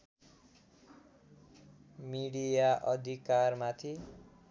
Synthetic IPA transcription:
miɽijaʔʌd̪ʱikarmat̪ʰi

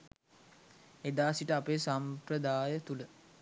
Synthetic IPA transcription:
ed̪aːsiʈəapeːsampɾəd̪aːjət̪ulə

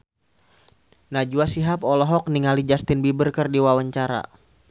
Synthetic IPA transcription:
nad͡ʒuasiɦapɔlɔɦɔk̚niŋalid͡ʒast̪ɪnbibərkərdiwawaɲt͡ʃaɾa̰

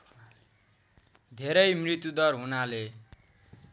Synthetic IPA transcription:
d̪ʱeɾʌjmrit̪jud̪ʌrɦunale

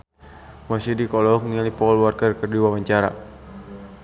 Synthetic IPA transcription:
masidikɔlɔknialipɔlwɔrkɛrkərdiwawaɲt͡ʃaɾa̰

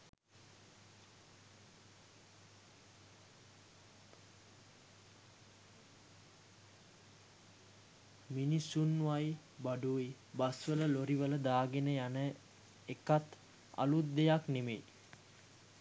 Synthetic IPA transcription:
minisunʋaj | baɖui | basʋələloɾiʋələd̪aːɡenəjanə | ekat̪ | a̰lut̪̚d̪ejaknemḛ

